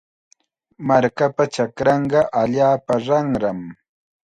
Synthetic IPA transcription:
maɾkapat͡ʃakɾɑɴɢɑʔaʎaːpaɾɑŋɾam

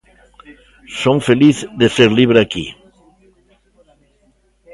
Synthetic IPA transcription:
soŋfeliθðeseɾliβ̞ɾeakḭ

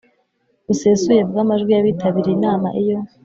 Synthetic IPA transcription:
useːsujevuɡamaʒɡwijaβiːtʰaβiɾiinaːmaʔijo̞

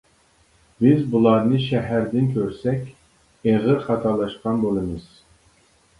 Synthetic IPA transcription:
bɪzbulˠɑɾnɨʃɛɦæɾd̪ɪnkʲʰøɾsɛkʲ | eʁɨɾχɑt̪ʰɑlˠɑʃqɑnbolˠɨmɨz̥

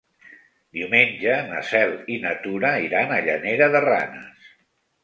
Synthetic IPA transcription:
d̪iwmenʲd͡ʒənə̰sɛlˠinət̪uɾəiɾanəʎəneɾəðəra̰nəs

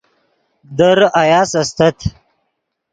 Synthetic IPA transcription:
d̪əɾajɑːsast̪ɐt̪ʰ

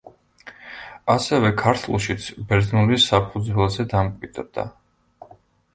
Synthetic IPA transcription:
asɛvɛkʰaɾt̪ʰulˠʃit̪sʰbɛɾznulisːapʰud̪zwɛlˠazɛd̪amkʼwid̪ʼɾd̪̥a̰

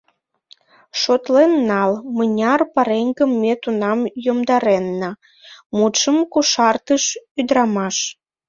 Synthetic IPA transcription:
ʃot̪lenːɑlmənʲɑrpɑɾeŋɡəmːet̪unɑmjomd̪ɑɾenːə | mut̪ʃəmkuʃɑrt̪əʃyd̪ɾɑmɑʃ

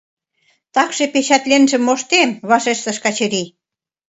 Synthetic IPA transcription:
t̪ɑkʃĕpeɕɑt̪lenʒĕmːoʃt̪emβɑʃeʃt̪ə̆ʃkɑt͡ɕə̆ɾi

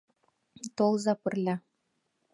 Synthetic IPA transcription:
t̪olˠzɑpɘ̆rlʲæ

